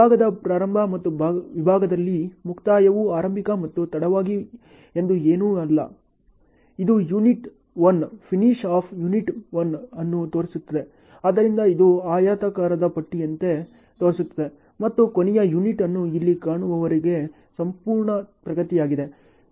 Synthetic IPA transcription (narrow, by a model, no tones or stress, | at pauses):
aːɡɐd̪ɐpɾaːɾɐmbʱɐmɐt̪ːuːʋibʱaːɡɐd̪ɐlːimukʰt̪aːjɐʋuaːɾɐmbʱikɐmɐt̪ːut̪ɐɽɐʋaːɡi | e̞nd̪ueːnuːɐlːɐ̰ | id̪ujuniʈ | ʋɐnpʰiniʂaːpʰjuniʈʋɐnɐnːut̪oːɾisut̪ːɐd̪e̞ | aːd̪ɐɾind̪ɐid̪uaːjaːt̪ɐkaːɾɐd̪ɐpɐʈːiɐnt̪e̞ | t̪o̞ːɾisut̪ːɐd̪e | mɐt̪ːukonɛjɐjuniʈɐnːuilːikaːɳuʋɐʋɐɾiɡe̞ | sɐmpuːɾɳɐpɾɐɡɐt̪ijaːɡid̪e̞